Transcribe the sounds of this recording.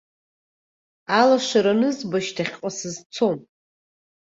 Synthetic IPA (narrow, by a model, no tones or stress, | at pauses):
alaʂʷaɾanɨzbaʃtʰaχʲqʼasɨzt͡sʰo̞m